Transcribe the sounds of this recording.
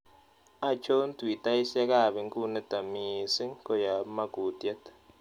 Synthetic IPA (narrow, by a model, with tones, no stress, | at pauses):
a˨t͡ʃo˦n˦twi˨ta˦i˦sa˦ka˦˨βe˨ŋku˦ne˦ta˨mi˨se˦ŋko˦ja˨˦ma˦ku˨tja˦tḁ˨